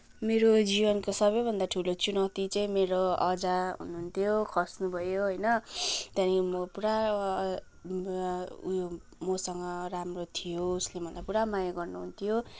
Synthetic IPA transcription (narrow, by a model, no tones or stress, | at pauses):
meɾod͡zibʌnkosʌβʌjbʱʌnd̪aʈʰulot͡sunʌwt̪it͡sʌĩmeɾoʌd͡zaɦṵnuɦunt̪ʰjokʰʌsnubʱʌjoɦʌjnʌt̪janimʌpuɾa | mʌsʌŋɡʌramrot̪ʰijouslembʱʌlapuɽamajaɡʌrnuɦunt̪ʰijo